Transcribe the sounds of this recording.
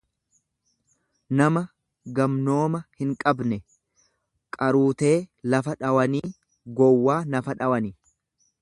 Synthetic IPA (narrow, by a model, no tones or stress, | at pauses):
nɐmɐ | ɡɐmno̞ːmɐhɪŋkʼɐbnɛ | kʼɐɾuːt̪e̞ːlɐfɐᶑɐwɐniː | ɡɔwːaːnɐfɐᶑɐwɐni